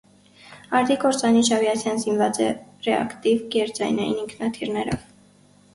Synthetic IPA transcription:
ɑɾd̪ikɔɾt͡sɑniʃɑvjɑt͡sʰjɑnzinvɑt͡sɛrɛɑ̰kt̪ivɡɛɾt͡sɑjnɛjḭniŋkʰnɑt̪ʰiɾnɛɾɔ̰v

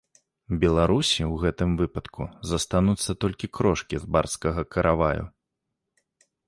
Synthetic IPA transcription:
bʲɛlˠaɾusʲiwɣɛt̪ɨmvɨpɐt̪kʰuzɐst̪anut̪sːɐt̪ɔlʲkʲikɾɔʂkʲizba̰rskɐɣɐkʰɐɾʔavajṵ

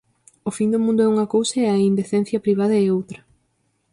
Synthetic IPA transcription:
ofind̪omũnd̪ʊɛuŋɐkowsɐɛɐind̪eθen̟θjɐpɾiβ̞aðɐɛowt̪ɾɐ

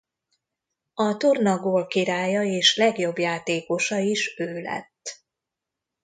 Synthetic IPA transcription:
ɒt̪ornɒɡoːlkiɾaːjɒeːʃlɛɡjo̞bjaːt̪eːko̞ʃɒiʃøːlɛ̰t̪ː

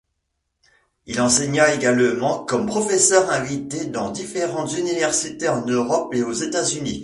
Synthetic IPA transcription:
ilɑ̃seɲaeɡalmɑ̃kɔmpχɔfɛsœʁɛ̃vit̪ed̪ɑ̃d̪ifeʁɑ̃t̪zynivɛʁsit̪eɑ̃nøʁɔpeozet̪azynḭ

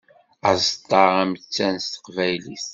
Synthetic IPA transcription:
æzt̪ˤːɑʁæmt͡sːænst̪ə̥qvæjliθ

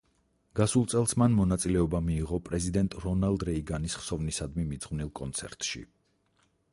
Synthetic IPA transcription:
ɡ̥asulˠt̪sʼɛlˠsmanmɔnat̪sʼilɛɔbamiːʁɔpʼɾɛzid̪ɛnt̪ʼɾɔnalˠd̪ɾɛiɡanisχsɔvnisad̪mimid̪z̥ʁvnilˠkʼɔnt̪sʰɛ̰ɾt̪ʼʃḭ

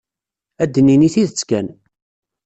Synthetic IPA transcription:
æd̪ːəniniθiðət͡sːkæn

